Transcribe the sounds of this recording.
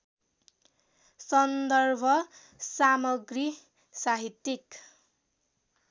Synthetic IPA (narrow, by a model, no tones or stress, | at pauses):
sʌnd̪ʌrbʱʌ | samʌɡri | saɦit̪ik